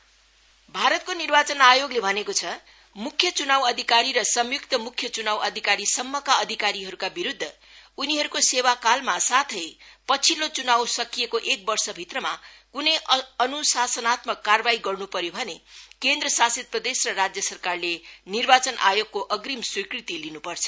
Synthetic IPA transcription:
bʱaɾʌt̪̚konirbat͡sʌnajoɡlebʱʌnekot͡sʰʌ | mukʰːjʌt͡sunawʌd̪ʱikaɾiɾʌsʌmjukt̪ʌmukʰjʌt͡sunawʌd̪ʱikaɾisʌmːʌkaʌd̪ʱikaɾiɦʌɾukabiɾud̪ʱːʌ | uniɦʌɾukosewakalmasat̪ʰʌjpʌt͡sʰilot͡sunawsʌkijekoʔek̚bʌrsʌbʱit̪rʌmakunʌjʌnusasʌnat̪mʌkːarbaiɡʌrnupʌɾjobʱʌnekend̪rʌsasid̪̚prʌd̪esrʌrad͡zjʌsʌrkarlenirbat͡sʌnʔa̰joɡ̚koʔʌɡrimswikrit̪ilinupʌrt͡sʰʌ̥

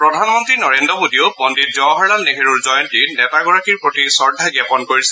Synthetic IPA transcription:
pɹɔdʱanmɔntɹinɔɹendɹɔbodiʊbɔndit̚d͡ʒɔɦɔɹlalneɦeɹuɹzɔjɔntinɛtaɡɔɹakiɹpotisɔɹdʱaɡapɔnkoɹisɛ

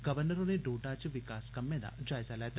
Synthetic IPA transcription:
ɡɐʋəɾnəɾõneɖoːʈat͡ʃʋɪkaːskɐmːẽd̪a̰d͡ʒaːɪzalɛt̪

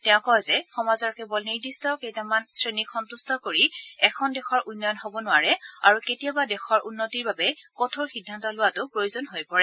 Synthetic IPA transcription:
tɛʊ̃kɔzɛxɔmazɔɹkɛbɔlniɹdistʰɔkejtamansɹenikʰxɔntustʰɔkoɹiɛkʰɔndɛxʰɔɹʔunːɔjɔnɦobɔnʊaɹɛaɹuketijabadɛxʰɔɹʔunːotiɹbabɛkɔtʰoɹxidʱːantɔlʊwatʊpɹojozɔnɦojpɔɹɛ

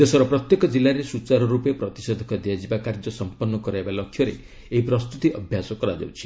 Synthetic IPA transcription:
d̪esɔɾɔpɾɔt̪jekɔd͡ʒilːaɾesut͡ʃaɾɔɾupepɾɔt̪i̥sɔd̪ʱɔkɔd̪iad͡ʒibakaɾd͡ʒɔsɔmpɔnːɔkɔɾaebalɔkʰːjɔɾe | eɦipɾɔst̪ut̪iʔɔbʱjasɔkɔɾad͡ʒa̰wt͡ʃʰi̥

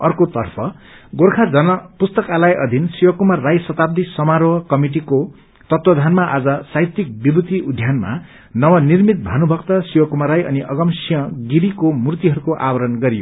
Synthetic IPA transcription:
ʌrkot̪ʌrpʰʌɡorkʰad͡zʌnʌpust̪ʌkalajʔʌ̰d̪ʱinsiwʌkumarːajsʌt̪ab̚d̪isʌmaɾoʌkʌmiʈ̬iko | t̪ʌt̪wʌd̪ʱanmaʔad͡zʌsajt̪ːik̚bibut̪iʔud̪ʱjanma̰ | nʌwʌnirmit̪̚b̪ʱanubʱʌkt̪ʌsiwʌkumaɾajʌ̰niʔʌɡʌmsijʌ̃ɡiɾikomurt̪iɦʌɾukoʔabʌɾʌnɡʌɾijo̰

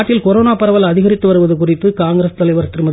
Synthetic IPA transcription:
ʈːɪlkɔɾoːnaːpɐɾɐʋɐlɐðɪɣɐɾɪt̪ːɯʋɐɾɯʋɐðɯkʊrɪpːɯkaːŋɡɐɾɐst̪ɐlɐɪʋɐɾt̪ːɾɯmɐ

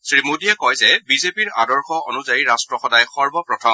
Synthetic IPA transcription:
sɹimodijɛkɔjzɛbizepiɹa̰dɔɹxɔonuzajiɹastɹɔxɔdajxɔɹbɔpɹɔtʰɔ

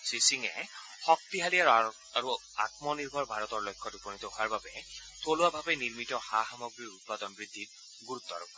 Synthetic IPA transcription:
sisiŋɛ̰ | xɔk̚t̪iɦalia | aɹu | a̰t̪mɔniɹbʱɔɹbʱaɹɔt̪ɔɹlɔjkʰːɔtupɔnit̪ɔɦoaɹbabɛt̪oluabʱabɛniɹmitɔxaxamɔɡɹiut̪̚pad̪ɔnbɹid̪ʱːit̚ | ɡuɹut̪ːɔ̰ɹɔk

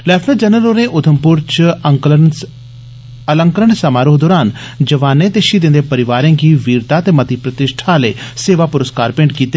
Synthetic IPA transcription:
lɛːpʰləd͡ʒənəloːneːʔʊt̪ʰəmpʊɾt͡ʃ | ələ̃ŋkəɾəɳsəmaːɾoːd̪oːɾaːn | d͡ʒəʋaːneːt̪eːʃiːd̪ɪ̃nd̪eːpəɾɪʋaːɾẽːkiːʋiːɾt̪aːt̪eːmət̪ipɾət̪ɪʃʈʰaːlḛːseːʋaːpʊɾəskaːɾpɪ̃ɳɖkiːt̪eː

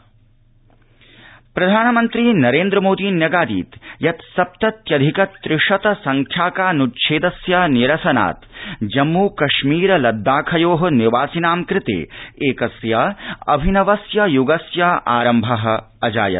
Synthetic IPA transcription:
pɾɐd̪ʱaːnɐmɐnt̪ɾiːnɐɾeːnd̪ɾɐmoːd̪iːnjɐɡaːd̪ḭːt̪jɐt̪sɐp̚t̪ɐt̪jɐd̪ʱikɐt̪ːɾɪʂɐt̪ɐsɐŋkʰjaːkaːnutʃʰeːd̪ɐsjaniɾɐsɐna̰ːt̪d͡ʒɐmːuːkɐʃmiːɾɐlɐd̪ːaːkʰɐjoːɦɐ̆niʋaːsinaːmkɾɪt̪ḛːeːkɐsjaɐ̰bʱinɐʋɐsjɐjuɡɐsjaʔaːɾɐmbʱɐɦɐ̆ | ɐd͡ʒa̰ːjɐ̰t̪

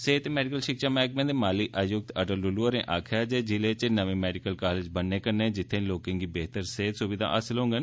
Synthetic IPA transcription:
seːt̪ːmɛːɖɪkəlʃɪkʃaːmɛ̃ːk̚mẽːd̪emaːliʔəjʊɡ̚t̪əɖəlɖʊluːəɾẽʔaːkʰjaːd͡ʒɛːd͡ʒɪleːt͡ʃnəʋẽːmɛːɖɪkəlkaːleːd͡ʒbənːeːkəɾnẽd͡ʒɪt̪ʰːẽloːkẽŋɡiːbeːt̪əɾseːt̪sʊʋɪd̪ʱa̰ːʔəsɪlɦõːŋɡeːnː

